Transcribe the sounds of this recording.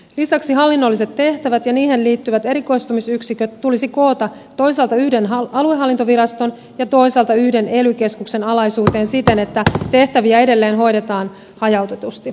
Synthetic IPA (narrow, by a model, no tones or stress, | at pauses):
lisɑksiɦɑlːinːo̞lːise̞t̪ːe̞ht̪æʋæt̪jɑniːɦe̞nliːt̪ːyʋæt̪e̞ɾiko̞jst̪umisyksikøt̪tulisiko̞ːt̪ɑ | t̪ːo̞jsɑːlt̪ɑyhde̞nɦɑɑlue̞ɦɑlːint̪o̞ʋiɾɑst̪o̞n | jɑt̪o̞jsɑːlt̪ɑyhde̞ne̞lyke̞skukse̞nɑlɑjsuːt̪e̞ːnsit̪e̞ne̞t̪ːæt̪e̞ht̪æʋiæe̞de̞lːe̞ːnɦo̞jde̞t̪ɑːn | hɑjɑwt̪e̞t̪ust̪i